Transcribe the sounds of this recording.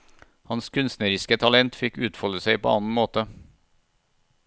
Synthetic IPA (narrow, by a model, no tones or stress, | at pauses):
hɑnskʰʉnst̪nəɾɪskət̪ʰɑlɛnt̪fɪkʉːt̪fɔləsæɪpʰo̰ːɑnn̩moːt̪ə